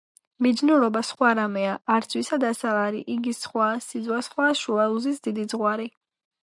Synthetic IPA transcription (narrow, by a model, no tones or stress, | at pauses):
mid̪znuɾɔbasχwaɾamɛaːɾt̪sʰwisad̪asaaɾḭʔiɡisχwaːsid̪zwasχwaːʃualuzisd̪id̪id̪zʁwaɾi